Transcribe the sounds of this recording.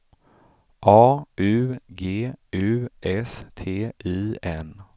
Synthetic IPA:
ʔɑːʔʉ̟ːɡeːʉːʔɛst̪ʰeːʔiːɛn

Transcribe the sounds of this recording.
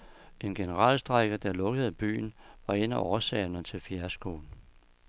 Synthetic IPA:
e̝nɡ̥enəʁɑ̰̈ːlsd̥ʁɑɡ̥ɐd̥ɑ̈lɔ̽ɡ̥əð̞̩ˠb̥y̰ːn̩ʋɑ̈e̝n̰æʔɒːsɛ̰ːnət͡sʰe̝lfjæɐsɡ̥o̰ːn̩

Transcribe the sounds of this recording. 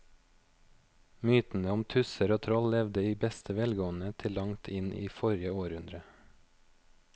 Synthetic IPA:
myːt̪n̩əʊmt̪ʰʉsəɾoːt̪ʰɾɔllɛʋd̪əiːbɛst̪ʰəʋɛlɡoːn̩ət̪ʰɪlɑŋt̪ʰɪnʔḭːfɔɾɪəoːɾʉnd̪ɾə

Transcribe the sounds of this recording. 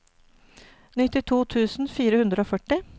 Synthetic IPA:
nʏt̪ɪt̪ʰuːt̪ʰʉːsn̩fiːɾəhʉnd̪ɾəoːfœʈɪ

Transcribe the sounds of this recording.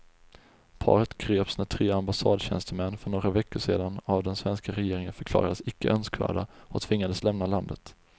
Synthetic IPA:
pʰɑ̰ːɾət̪ɡɾeːpsiːnat̪ʰɾeːambasɑːd̪ɕɛ̰nst̪əmɛnːfœɳoːɡavɛkːʊʂeːd̪anavd̪ɛnsvɛnskaɾɛjeːɾɪŋənfœɾkʰlɑ̰ːɾad̪əsɪkːə̰ʔœnskvæ̰ːɖaʔɔt̪ʰvɪŋːad̪əslɛmnaland̪ət̪

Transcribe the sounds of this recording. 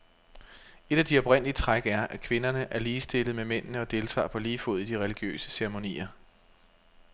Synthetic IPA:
e̝d̥æd̥iɒ̽b̥ʁɛn̰lit͡sʰʁaɡ̥æɐʔækʰʋe̝nɐnəʔæɐliːsd̥e̝lð̞̩ˠmemen̰nəɒ̽d̥e̝lt͡sʰɑ̰̈ːpʰɒ̽liːfo̝ð̞̰̩ˠd̥iʁɛliɡ̥jø̰ːsə̥seʁemo̝nḭːɐ

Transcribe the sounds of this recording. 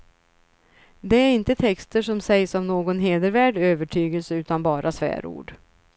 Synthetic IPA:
d̪ɛæɾɪnt̪ət̪ʰɛkst̪əʂɔmsɛjsɔmnoːɡɔnɦeːd̪əɾvæːɖøːvəʈʰyːɡəlsəʉ̟ːt̪anbɑːɾʔasvæ̰ːɾṵːɖ

